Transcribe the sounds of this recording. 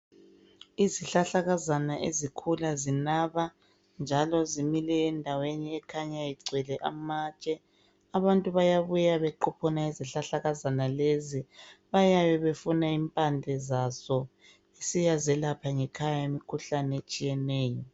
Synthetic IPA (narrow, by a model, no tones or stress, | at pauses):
iziɬaɬaɣazanaʔezikʰulazinaβa | nd͡ʒʱalɔzimilɛːndʱaweniɛkʰaɲajiǀʱwɛlɛʔa̰mat͡ʃʼɛ | aβantʼuβajaβujaβɛǃupʰɔnaiziɬaɬaɣazanaleziβajaβɛβefunaimpʼand͡ɮʱɛzazɔ | esijazɛlapʰaŋɛkʰajaemikʰuɬanɛet͡ʃʼijɛnɛːjɔ